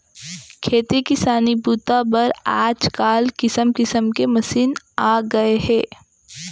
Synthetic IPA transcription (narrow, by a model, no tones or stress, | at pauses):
kʰeːt̪ikɪsaːnibuːt̪abɐɾaːd͡ʒkaːlkɪsəmkɪsəmkemɐsiːn | aːɡɐeɦɛ̃ː